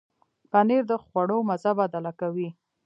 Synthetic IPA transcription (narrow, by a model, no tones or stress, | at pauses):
paneɾd̪əxwaɽomazabad̪alakawi